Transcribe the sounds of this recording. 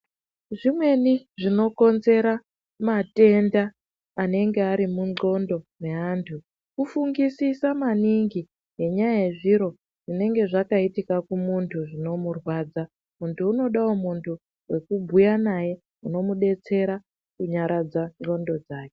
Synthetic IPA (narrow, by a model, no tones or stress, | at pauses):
ʐimwe̞niʐino̞ko̞nze̞ɾa | mate̞ndaː | ne̞ŋɡe̞aɾimuŋ͡ǀo̞ndo̞ne̞antʰu | kufuŋɡisisamaniŋɡi | ɦe̞ɲajajeʐiɾo̞ | ʐine̞ŋɡe̞ʐakaitikakumuntʰuʐino̞murwaːd͡za | muntʰuːno̞ɗaomuntʰu | we̞kubʱujanaje̞ | uno̞muɗe̞t͡se̞ɾa | kuɲaɾad͡zaŋ͡ǃo̞ndo̞d͡zaːke̥